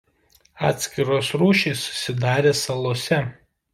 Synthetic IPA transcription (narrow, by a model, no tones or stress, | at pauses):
ɑ̰ːt̪ʲsʲkʲɪɾoːsɾuːʃʲeɪsʊ̥sʲɪd̪ɑːɾʲeːsɐlˠoɔsʲɛ